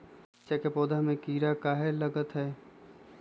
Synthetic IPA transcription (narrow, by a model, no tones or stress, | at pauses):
t͡ʃekepoːd̪ʱamẽkiːɾakaːɦelɐɡət̪ɦɛː